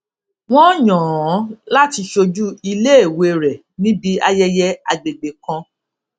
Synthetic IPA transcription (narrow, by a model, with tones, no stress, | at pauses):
w̃ɔ̃˦ɲɔ̃˨ɔ̃˨˦la˦ti˧ʃo˧d͡ʒu˦i˧le˦e˦˨we˧˨ɾɛ˨ | nĩ˦bi˦a˧jɛ˧jɛ˧a˨ɡ͡be˨ɡ͡be˨kã˧